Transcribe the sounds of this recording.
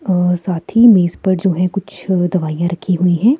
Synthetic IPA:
saːt̪ʰimeːspəɽd͡ʒoːɦɛ̃kʊt͡ʃʰd̪ɐʋaːjãɾɐkʰːiɦʊiɦɛː

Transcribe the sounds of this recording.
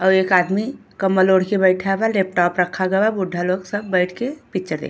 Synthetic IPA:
əwekad̪mikəmːəloɽ̤kebəɪʈʰabalep̚ʈɔpɾəkʰːaɡɛbabuɖʱːaloksəbːəɪʈʰkepit͡ʃəɾd̪ḛ

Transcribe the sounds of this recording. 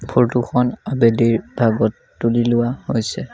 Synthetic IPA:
pʰoɹtuxʰɔnabediɹbʱaɡɔtːulilʊwahojsɛ

